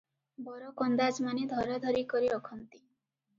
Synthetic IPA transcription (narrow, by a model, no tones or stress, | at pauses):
bɔɾɔkɔnd̪ad͡ʒmaned̪ʱɔɾɔd̪ʱɔɾikɔɾiɔkʰɔnt̪i̥